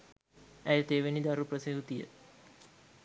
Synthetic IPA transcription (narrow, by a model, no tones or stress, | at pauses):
æjət̪eːʋenid̪aɾuprəseɦut̪ijə̰